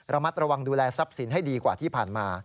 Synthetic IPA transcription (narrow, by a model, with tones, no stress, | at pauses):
ɾa˧ma˦˥t̪̚ɾa˧wa˧ŋduː˧lɛː˧sa˦˥p̚si˩˦nɦa˥˩jdiː˧kwaː˨t̪ʰiː˥˩pʰaː˨˩nmaː˧